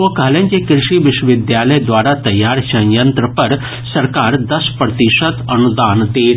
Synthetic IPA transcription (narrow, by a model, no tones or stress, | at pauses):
okɐɦlẽːnkikɾɪʃiʋɪʃwəʋɪd̪jaːləjd̪waːɾat̪ɐjːaːɾt͡ʃʰɐ̃jə̃nt̪ɾəpɐɾ | sɐɾkaːɾd̪ɐspɾɐt̪ɪʃət̪ɐnud̪aːnt̪eː